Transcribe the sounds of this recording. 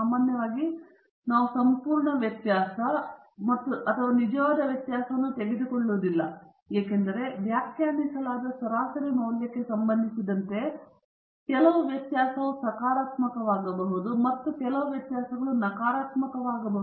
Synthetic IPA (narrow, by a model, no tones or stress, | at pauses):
amːaːnjɐʋaːɡi | naːʋusɐmpuːɾɳɐʋjɐt̪jaːsɐ | mɐt̪ːuʔɐt̪ʰɐʋanid͡ʒɐʋaːd̪ɐʋjɐt̪jaːsɐʋɐnːut̪e̞ɡed̪ukoɭːoːd̪ilːɐ | jeːkend̪ɐɾe̞ʋjaːkʰjaːnisɐlaːd̪ɐsɐɾaːsɐɾinoːljɐkːe̞sɐmbɐnd̪ʱisid̪ɐnt̪e̞ | kɛlɐʋuʋjɐt̪jaːsɐʋusɐkaːɾaːt̪mɐkɐʋaːɡɐbɐɦud̪umɐt̪ːukɛlɐʋɐʋjɐt̪jaːsɐɡɐɭunɐkaːɾaːt̪mɐkɐʋaːɡɐbɐɦu